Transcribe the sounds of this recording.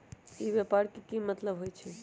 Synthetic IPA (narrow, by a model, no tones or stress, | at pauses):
iʋjepaɾkekimət̪ləbɦojt͡ʃʰɛ